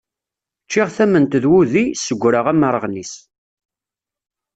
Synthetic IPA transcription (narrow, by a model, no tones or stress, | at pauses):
t͡ʃːɪʁθæmənt̪ðwuðisəɡʷːɾəʁæməɾˤəʁnis